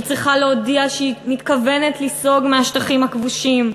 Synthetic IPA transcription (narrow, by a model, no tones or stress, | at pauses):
t͡sʁiχaleodiaʃeimit̪kave̞netliso̞ɡmeaʃt̪aχimhakvuʃim